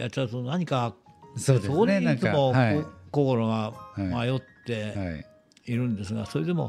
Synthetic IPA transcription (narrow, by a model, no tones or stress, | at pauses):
jat͡ɕaonaɲ̟ika | sodsokoɲĩt͡sɨmo̞kokoɾo̞ɡamajo̞t̪ːe̞ | iɾɯ̟̃nd̪e̞s̬ɨɡasoːɾed̪emo̞̰